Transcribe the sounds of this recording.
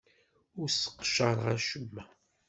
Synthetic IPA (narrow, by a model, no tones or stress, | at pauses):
ʊɾsə̥qːʃəɾˤʁæʃəmːæ